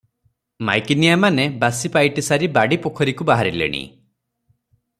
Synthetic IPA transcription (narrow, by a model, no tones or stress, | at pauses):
ma̰jkinijamanebasipajʈisaɾibaɽipokʰɔɾikubaɦaɾilḛɽ̃ḭ